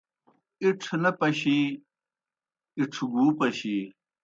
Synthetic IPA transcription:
iʈ͡ʂʰnɐpɐɕiː | iʈ͡ʂʰɡuːpɐɕi

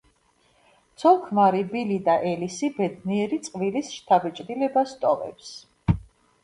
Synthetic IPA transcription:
t̪sʰɔlˠkʰmaɾibilid̪aʔɛlisibɛd̪niɛɾit̪sʼqʼvilisʃt̪ʰabɛt͡ʃʼd̪ilɛbast̪ʼɔvɛ̰ps

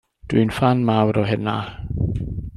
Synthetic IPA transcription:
d̥ʊjnfanmawɾɔɦɪna

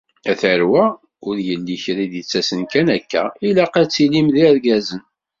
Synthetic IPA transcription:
æθəɾwæ | ʊɾjəlːiçɾiðjət͡sːæsənkænækːæ̰ilæqæt͡sːilimðiæɾɡæzən

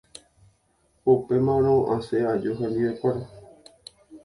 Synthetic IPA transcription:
upe̞mãɾ̃õʔãsead͡ʒoɦẽ̞nd̪iwekʷaɾa

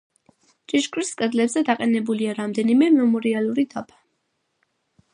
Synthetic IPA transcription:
t͡ʃʼiʃkʼɾiskʼɛd̪lɛbzɛd̪aqʼɛnɛbuliaɾamd̪ɛnimɛmɛmɔɾialˠuɾid̪apʰḁ

